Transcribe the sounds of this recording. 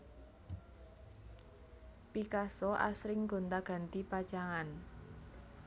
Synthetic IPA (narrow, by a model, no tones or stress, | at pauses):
pikasɔʔa̰sɾɪŋɡ̥o̤nt̪aɡ̥a̤nt̪ipḁt͡ʃaŋan